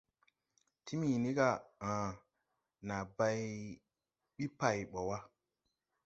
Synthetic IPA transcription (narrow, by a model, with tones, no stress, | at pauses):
tʰi˦mi˨ni˦ka˦˨ã˨ | na˨ba˧j | ɓi˦pa˨jɓo˨wa˦